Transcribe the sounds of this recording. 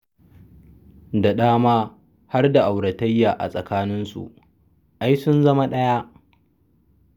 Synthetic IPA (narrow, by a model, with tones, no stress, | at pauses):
da˨ɗaː˦maː˦ | ha˦rda˨ʔa˨wɽɐ˨tɐ˦jːaː˨ʔa̰˨sʼɐ˨kaː˦nɪ˦nsṵ˨ʔ | ʔa˦jsʊ˦nzɐ˦ma˦ɗɐ˦ja˦ʔ